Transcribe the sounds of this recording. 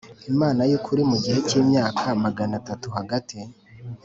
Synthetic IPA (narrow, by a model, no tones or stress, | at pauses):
imaːnajuːkʰuɾimuɡihe̞ciːmɲaːkʰamaɡanatatuɦaɡatʰi